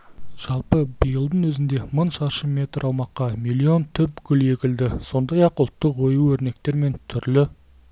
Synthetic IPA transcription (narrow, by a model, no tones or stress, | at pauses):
ʒ̥ɑlˠpəbəjəlˠd̪ənwɵzɪnd̪e̞mənʃɑɾʃəme̞t̪ɾɑwmɑqːɑmilʲːio̞nt̪ʰʏp̚kʲʰʏle̞kʲɪld̪ɪso̞nd̪ɑjɑqʊlˠt̪ːəqwo̞juɵɾne̞k̚t̪e̞ɾme̞nt̪ʰʏɾlɪ